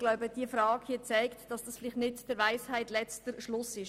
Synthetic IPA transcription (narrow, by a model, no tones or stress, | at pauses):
ɡ̥laʊbəd̥iəfɾɑːɡhiət͡saɪktd̥ɑsd̥ɑsfɪlɪχtnɪtd̥əɾʋaɪshæɪtlɛt͡stəɾʃlʊsɪʃ